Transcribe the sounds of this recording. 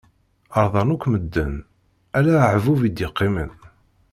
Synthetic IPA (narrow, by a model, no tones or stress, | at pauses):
əɾˤðˤɑnukʷːməd̪ːə̰n | ælæʕvuvid̪jɪqːimən